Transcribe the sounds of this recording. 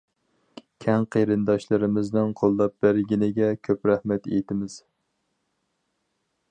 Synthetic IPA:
kʲʰɛŋqʰeɾɨnd̪ɑʃlˠɨɾɪmɪznɪŋqʰolˠːɑp̚bæɾɡʲinɪɡʲɛkʲʰøpɾæhmɛt̪ḛjt̪ʰɪmɪz̥

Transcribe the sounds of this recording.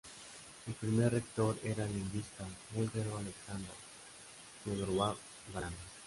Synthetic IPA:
elpɾimerrekt̪oɾeɾalinɡist̪amult̪eɾoaleksand̪ɾo | keðoɾwa | βana

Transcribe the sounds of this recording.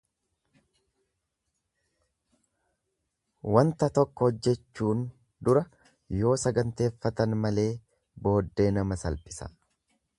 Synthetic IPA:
wɐnt̪ɐt̪ɔkːɔhɔd͡ʒːɛt͡ʃːuːn | d̪ʊɾɐ | jo̞ːsɐɡɐnt̪e̞ːfːɐt̪ɐnmɐle̞ː | bo̞ːd̪ːe̞ːnɐmɐsɐlpʼɪsɐ̰

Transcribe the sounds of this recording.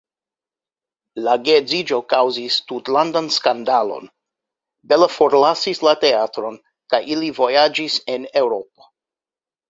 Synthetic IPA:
laɡezid͡ʒo̞kawzistutlandanskandalo̞̰n | belafo̞ɾlasislate̞atɾo̞n | kajʔilivo̞jad͡ʒisene̞wɾo̞p̚o̥

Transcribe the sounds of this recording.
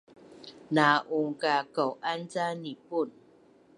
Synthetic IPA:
naʔuŋkakɔwʔant͡sanipun

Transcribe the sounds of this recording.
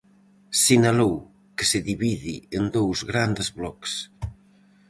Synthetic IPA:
sinalow | ke̥seðiβiðiend̪owzɣɾand̪ezβlɔks

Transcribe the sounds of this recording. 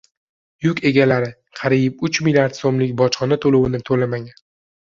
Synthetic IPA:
jʊkʲe̞ɡʲalaɾɪ | qʰɑɾijpʊt͡ʃmilʲjaɾt̪somlɪkʲbɒt͡ʃχɒnat̪ʰolowɪnɪt̪ʰolamaŋʲan

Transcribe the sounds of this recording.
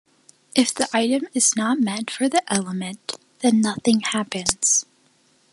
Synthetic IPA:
ʔɨfðiʔaɪɾɨ̃mɨznət̚mɛ̃tfə˞ðiʔɛlˠəmɨ̃n | ðɨ̃nːʌθɪ̃ŋhæpɨ̃nz̥

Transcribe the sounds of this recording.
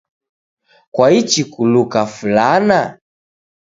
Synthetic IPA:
kwait͡ʃikulukafulana

